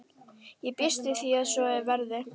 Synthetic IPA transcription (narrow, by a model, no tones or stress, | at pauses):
jɛpɪst̪ɪθiaðsɔɛvɛɾðɪ